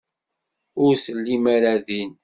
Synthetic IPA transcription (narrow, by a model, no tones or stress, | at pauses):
ʊɾsəlːimaɾæðin